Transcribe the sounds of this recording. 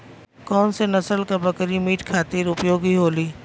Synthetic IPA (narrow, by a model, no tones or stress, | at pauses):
kɔːnsenɐsəlkabɐkɾimiːʈkʰaːt̪iːɾʊpjoːɡiɦoːliː